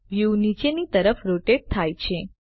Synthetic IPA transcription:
ʋjunit͡ʃenit̪əɾəfɾoʈeɖ̚t̪ʰajt͡ʃʰe

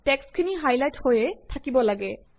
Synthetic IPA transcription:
tɛkskʰiniɦajlajthojɛtʰakibɔlaɡɛ

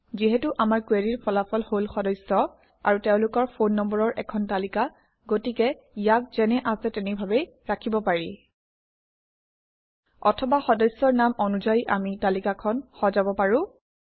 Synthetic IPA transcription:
ziɦɛtʊʔamaɹkweɹiɹpʰɔlapʰɔlholxɔdɔjsɔ | a̰ɹutɛʊ̃lʊkɔɹpʰonːɔmbɔɹɔɹʔɛkʰɔntalika | ɡotikɛ | ijak̚z̥ɛnɛʔasɛtɛnibʱabɛj | ɹakʰibɔpaɹḭ | ɔ̰tʰɔbaxɔdɔjsːɔɹnamɔnuzajʔamitalikakʰɔnxɔzabɔpaɹʊ̃

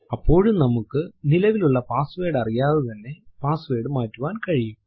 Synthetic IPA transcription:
ɐpːo̞ːɻumnɐmukːɨnilɐʋiluɭːɐpaːsʋe̞ːɽɐrijaːðɨt̪ɐnːe̞paːsɨʋe̞ːɽɨmaːtːuʋaːnkɐɻijum

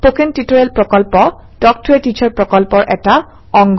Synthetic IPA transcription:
pokentitoɹɛlpɹɔkɔlpɔ | dɔk̚tʰʊɛtit͡ʃʰɔɹpɹɔkɔlpɔɹʔɛ̰ta | ɔŋɡ

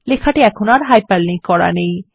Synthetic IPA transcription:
lekʰaʈeɛkʰonaɾɦajpəlːĩŋkkːɔɾa̰nej

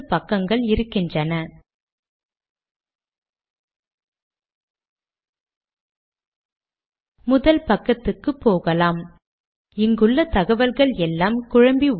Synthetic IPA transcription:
pɐkːɐŋɡɐɭɪɾɯkːɪndrɐnɐ | mʊðɐlpɐkːɐt̪ːɯkːɯpːoːɣɐlaːm | ɪŋɡɯɭːɐt̪ɐɣɐʋɐɾɣɐɭɛlːaːmkʊɻɐmbi

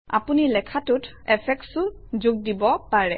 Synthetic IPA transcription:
a̰punilɛkʰatʊt | ɛpʰɛk̚sʊ | zʊɡ̚dibɔpaɹɛ

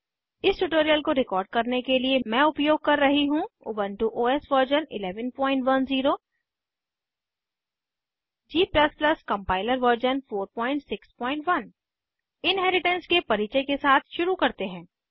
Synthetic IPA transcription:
ɪsʈuʈoːɾijəlkoɾɪkɔːɾɖ̚kɐɾnekeliemɛ̃ːʊpjoːɡ̚kɐɾːɐɦiɦũʊ̰bə̃nʈuʔoːɛːsʋəɾd͡ʒənɪ̰lɛːʋənpɔ̃ːɪ̃ɳʈʋɐnziːɾoː | d͡ʒiːplɐsplɐskɐ̃mpaːɪləɾʋəɾd͡ʒənfoːɾpɔ̃ːɪ̃ɳʈsɪkspɔ̃ːɪ̃ɳʈʋɐn | ɪnɦɛːɾɪʈə̃nskepɐɾiːt͡ʃəkesaːt̪ʰʃʊɾukɐɾt̪eɦɛ̃ː

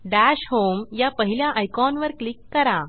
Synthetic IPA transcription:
ɖæɕɦomjapəɦiljaʔajkɔnʋəɾklikːəɾa

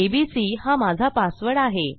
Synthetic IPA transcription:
ebisiːhamad͡zʱapasʋəɽaɦe

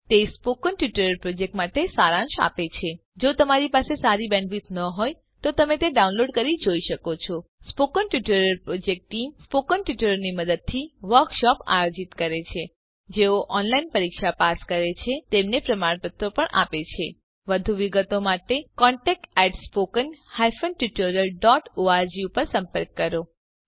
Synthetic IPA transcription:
t̪espokənʈjuʈəɾəɾpɾod͡ʒek̚ʈmaʈesaɾãnʃa̰pet͡ʃʰe | d͡ʒot̪əmaɾipasesaɾibɛ̃ɳʋit̪nəɦoj | t̪ot̪əmet̪eɖaunloɖkəɾid͡ʒoiʃəkot͡ʃʰɔspokənʈjuʈəɾəɾpɾod͡ʒek̚ʈʈimspokənʈjuʈəɾəɾniməd̪əd̪̚t̪ʰiʋəɾkʃɔpa̰jod͡ʒit̪kəɾet͡ʃʰe | d͡ʒeoʔɔnlainpəɾikʃapaskəɾet͡ʃʰet̪emnepɾəmaɽpət̪ɾopəɳa̰pet͡ʃʰe | ʋəd̪ʱuʋiɡət̪omaʈekɔɳʈɛk̚ʈɛʈspokənhajfənʈuʈoɾəɾɖɔʈoaɾd͡ʒiupəɾsəmpəɾkːəɾo

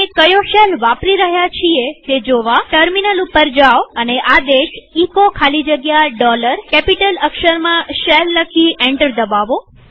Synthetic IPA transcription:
kəjoʃəlʋapɾiɾəɦjat͡ʃʰiet̪ed͡ʒoʋaʈəɾminəlupəɾd͡ʒaʋəneʔad̪eʃikokʰalid͡ʒəɡjaɖɔləɾkɛpiʈələkʃəɾmãʃɛlːəkʰiʔɛ̃ɳʈəɾd̪əbaʋo

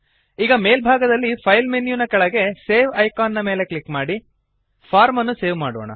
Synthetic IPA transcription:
iːɡɐme̞ːlbʱaːɡɐd̪ɐlːipʰɐjlmenjunɐkɐɭɐɡe̞seːʋɐjkaːnːɐmeːle̞kɭikːmaːɽi | pʰaːɾmɐnːuse̞ːʋma̰ːɽo̰ːɳɐ̰

